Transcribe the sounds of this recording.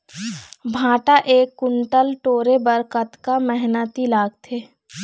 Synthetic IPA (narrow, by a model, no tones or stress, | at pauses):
bʱãːʈaʔeːkːʊɳʈəlʈoːɾebəɾkət̪kamɛɦnət̪ilaːɡt̪ʰeː